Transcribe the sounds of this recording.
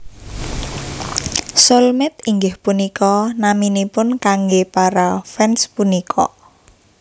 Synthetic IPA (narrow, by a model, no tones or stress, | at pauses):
sɔlmɪt̪iŋɡɪhpunikɔnaminipʊnkaŋɡepaɾafɛnspunikʰɔ̰